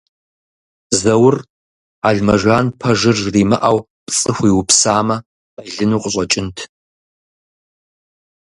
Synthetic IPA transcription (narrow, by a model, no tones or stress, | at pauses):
zɐwʊr | aːɮmɐʒʷaːnpʰɐʒɨrriːmɐʔaw | pt͡sʼɨxʷiːwʊpsaːmɐ | ɐɮɨnuːqʷʼʊɕʷʼɐt͡ʃʼɪntʰ